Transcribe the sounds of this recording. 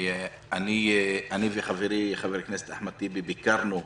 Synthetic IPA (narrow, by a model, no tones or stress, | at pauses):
aniʔaniveχaveɾiχaveɾiknese̥t̪aħmat̪ibebikaɾnu